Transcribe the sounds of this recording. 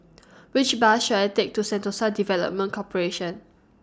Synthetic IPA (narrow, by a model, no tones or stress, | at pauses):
wit͡ʃbaʃuatek̚tusɛ̃ntosadivɛlə̰p̚mə̃nkʰɔpəɹeʃə̃n